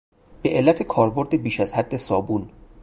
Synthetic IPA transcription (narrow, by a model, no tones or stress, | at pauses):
b̥e̞ʔelːæt̪ʰekʰɒːɾbo̞ɾd̪ebiːʃæzhæd̪ːe̞sɒːbuːn